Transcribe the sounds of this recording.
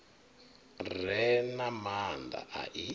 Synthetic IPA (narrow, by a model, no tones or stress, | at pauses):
rɛnamand̪a̰ʔa̰ʔi